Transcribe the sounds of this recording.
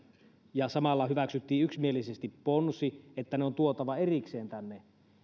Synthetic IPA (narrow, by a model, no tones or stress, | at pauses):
jɑsɑmɑlːɑhyʋæksyt̪ːiːyksmie̞lisest̪ipːonsiet̪ːæneo̞nt̪uot̪ɑʋɑerikse̞ːnt̪ænːe